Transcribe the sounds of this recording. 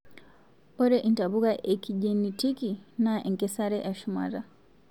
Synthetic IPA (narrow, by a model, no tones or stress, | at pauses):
pɔɾɛʔintaβuɣaʔɛkiʄɛnitikinaɛŋkɛsaɾɛʔaʃuma̰ɾa